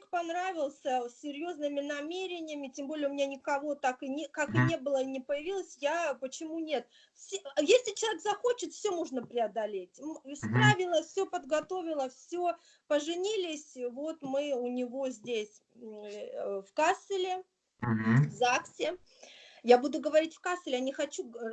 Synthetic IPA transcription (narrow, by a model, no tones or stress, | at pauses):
kpɐnɾavʲɪlˠsʲəsʲːɪɾʲjo̞znɨmʲɪnɐmʲeɾʲɪnʲɪjəmʲɪtʲembo̞lʲɪəʊmʲɪnʲanʲɪkɐvo̞t̪akɨnʲkakɨnʲe̞bɨlˠənʲɪpəjɪvʲilˠəsʲjapət͡ɕɪmunʲe̞t̪ | fsʲjesʲlʲɪt͡ɕɪlˠɐekzɐxo̞t͡ɕɪt̪fʲsʲɵmoʐnəpɾʲɪɐd̪ɐlʲetʲmspɾavʲɪlˠəfsʲopəd̪ɡɐt̪o̞vʲɪlˠəfsʲɵ | pəʐɨnʲilʲɪsʲvo̞t̪mɨʊnʲɪvo̞zʲdʲesʲ | fkasɨlʲɪ | vzaksʲɪ | jabud̪ʊɡəvɐɾʲitʲfkast̪ɨlʲjanʲɪxɐt͡ɕu